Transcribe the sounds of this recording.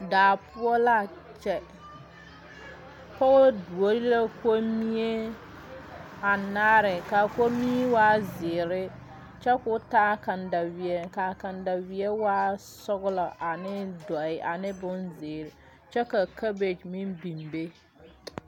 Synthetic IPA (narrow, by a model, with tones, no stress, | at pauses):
daː˨pʊ˦ɔ˦la˦˨ | t͡ʃɛ˨ | pɔ˦ɣɔ˦du˨o˦ɾi˦la˦ko˦mi˦e˦ | a˨naː˦ɾɪ˨ka˨ko˦mi˦waː˦zɪː˨ɾɪ˦ | t͡ʃɛ˦kʊ˦taː˦ka˨nda˨wi˨ɛ˨ka˨ka˨nda˨wi˨ɛ˦waː˦ | sɔ˦ɣʊ˦lɔ˨ʔa˨nɪ˦dɔ˨ɪ˨ʔa˨nɪ˦bʊ˦nzɪː˨ɾ | t͡ʃɛ˦ka˨ka˦be˨d͡ʒmɪ˦nbi˨mbe˦